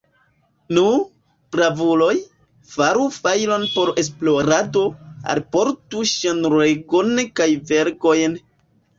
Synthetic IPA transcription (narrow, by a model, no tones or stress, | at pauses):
nu | pɾavulo̞j | faɾufajlo̞npo̞ɾesploɾado̞a̰lpoɾtuʃanɾeɡonkajveɾko̞jn